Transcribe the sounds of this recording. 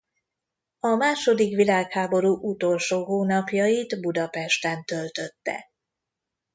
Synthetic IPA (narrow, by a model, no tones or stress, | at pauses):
ɒmaːʃo̞d̪ikʋilaːkhaːbo̞ɾuʔut̪o̞lʃoːɦoːnɒpjɒjid̪bud̪ɒpɛʃt̪ɛnt̪ø̞lt̪ø̞t̪ːɛ̰